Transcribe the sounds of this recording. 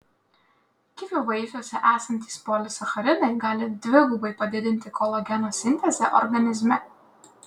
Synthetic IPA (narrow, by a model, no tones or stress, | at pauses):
kʲɪʋʲʊʋɐɪfʲuːsʲɛʔæːsɐnʲt̪ʲiːspoːlʲɪsɐxɐɾʲɪnɐɪɡɑːlʲɪd̪ʲʋʲɪɡʊbɐɪpɐd̪ʲɪd̪ʲɪnʲt̪ʲɪkʰolˠɔɡʲɛnoːsʲɪnʲt̪ʲɛzʲɛʔɔ̰ɾɡɐnʲɪzʲmʲɛ